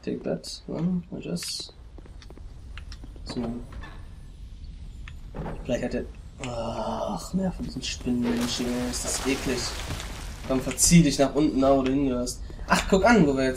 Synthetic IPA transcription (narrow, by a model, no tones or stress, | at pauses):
tʰɛ̰k̚b̥ɛ̰tnə̰a̰ɪça̰s | z̥o | fɪlaɪçthatiːɐʔaχnajafɔndiːzn̩ʃpɪnmɛnʃɪŋəɪsd̥asʔeːklɪç | kʰamfɛɐt͡siːdɪçnaːχʔʊntn̩davoːɾuhɪnɡəhøːɐst | ʔaχkʰʊkanvoveɐjɛ